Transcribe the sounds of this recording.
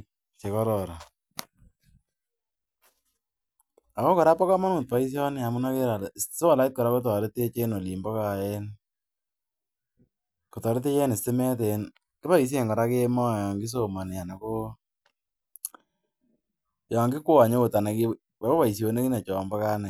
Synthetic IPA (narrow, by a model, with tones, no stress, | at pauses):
t͡ʃe˨kɔ˦ɾɔ˨ɾa˨ | a˨ko˦kɔ˨ɾa˦pɔ˦ka˦ma˦nu˨t̚pa˨˦i˦s̬jɔ˦nɪ˦a˨mu˦na˦ke˦ɾa˨lse˦wa˨la˨ɪ˦t̚kɔ˨ɾa˦ko˦t̬ɔ˨ɾe˦te˦t͡ʃe˦no˨li˨mbɔ˦ka˨ɛ˦n | kɔ˨tɔ˨ɾɪ˦t̬e˦jɛ˦nɪ˨sɪ˦mɛ˦t̬e˨n | kɪ˦pa˦i˨˦s̬je˨ŋɡɔ˨ɾa˦ke˦mɔ˦˨jɔ˨ŋɡɪ˦s̬o˦˨ma˨nɪ˨a˨na˨ko˦ | jɔ˨ŋɡɪ˦kwa˨ɲe˦o˨ta˨ne˨kɪ˦ | a˨o˦pa˨i˨s̬jo˨ne˦ki˦na˨t͡ʃɔː˨mbɔ˦ka˦nɛ˨